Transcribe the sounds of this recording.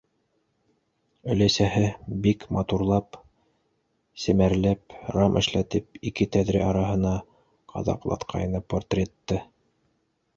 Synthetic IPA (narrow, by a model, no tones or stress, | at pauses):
ɵ̆læsæhɘbikmɑt̪uɾlˠɑp | sɘ̆mæɾlæpɾɑmʔɘ̆ʃlæt̪ɘp̚ikɘt̪æðɾɘʔɑɾɑɦɤ̆nɑ | qʰɑ̰ðɑ̰qlˠɑ̰t̪qʰɑ̰jɤ̆nɑpːort̪rʲet̪ːɤ